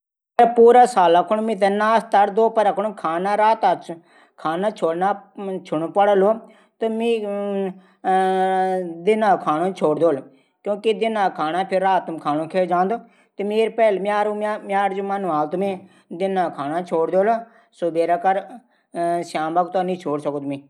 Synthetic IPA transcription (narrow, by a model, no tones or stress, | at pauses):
pəɾpuːɾaːsaːlaːkʰʊɳmɪ̃ːt̪̬ənaːst̪aɾd̪oːpəɾaːkʰʊɳkʰaːnaːɾaːt̪aːt͡ʃ | kʰaːnaːt͡ʃʰoːɽnaːt͡ʃʰʊɽopəɽəloː | t̪omĩː | d̪ɪnãːkʰaːnõːt͡ʃʰoːɽd̪oːl | kjõːkɪd̪ɪnãːkʰaːnaːpʰɪɾaːt̪mkʰaːnõːkʰeːd͡ʒãːnd̪oː | t̪eːmeːɾpɛːlmjaːɾːmjaːɾd͡ʒõːmanːaːlt̪ʊmẽː | d̪ɪnãːkʰaːnaːt͡ʃʰoːɽd̪eoːloː | soːbeːɾaːkəɾ | ʃaːmbəkt̪aːnĩːt͡ʃʰoːɽsəkot̪mẽː